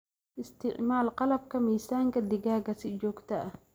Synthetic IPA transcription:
ʔɪst̪ɪʕmaːlqɑlɐb̚kʰɐmiːsaːŋkʰɐd̪ɪɡaːɡɐsɪd͡ʒɔːɡt̪ʰɐʔɐ

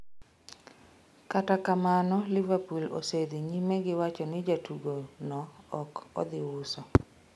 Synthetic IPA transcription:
katakamanɔlɪvapulo̰sed̪iɲimeɡɪwat͡ʃɔnɪd͡ʒatuɡonɔːkɔ̰d̪ɪwʊsɔ

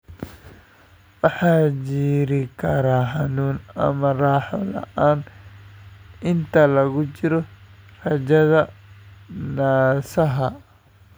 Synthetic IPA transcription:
wɑħɑːt͡ʃiːɾɪkʰɐɾaːɦɑnuːnɐ̰mɐraːħɔlɐ̰ʔaːn | ʔɪnt̪ʰɐlɐɣʊt͡ʃɪɾɔrɐt͡ʃɐðɐ | naːsɐɦɐ

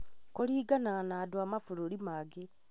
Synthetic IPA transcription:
koliːɡananaːdwamafuɾolimaɡe

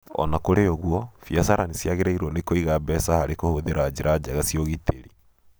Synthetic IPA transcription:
ɔ̰nakoɾejɔɣwɔfiasaɾanisjaɣeɾaiɾwɔnekoiɣaːbɛsahaɾekohoðeɾad͡ʑeɾad͡ʑaɣasiɔɣiteɾi

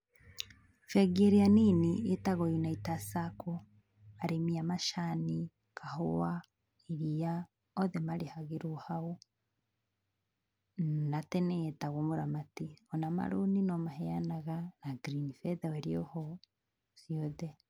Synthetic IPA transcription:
fɛɡeɾeaninietaɣɔjinaitasakɔ | aɾʔemiamaʃani | kʰahowa | iɾia | ɔðɛmaɾehaɣeɾohao | natɛnɛːtaɣomoɾamatiɔnama̰ɾoninɔmahɛanaɣanaɡɾinifɛðɛwɛɾiɔhɔ | siɔðɛ

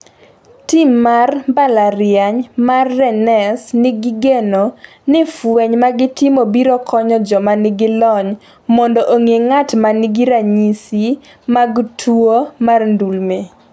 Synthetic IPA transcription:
tɪmːarbalaɾɪjaɲmarːɛnɛsnɪɡiɡeno | nɪfweɲmaɡɪtɪmobiɾɔkʰɔɲɔd͡ʒɔmanɪɡɪlɔɲ | mɔndɔʔoŋeŋatmanɪɡɪɾaɲisi | maɡtʰwomarndulme

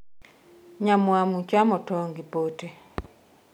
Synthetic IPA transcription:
ɲamwamut͡ʃamɔtɔŋɡipote

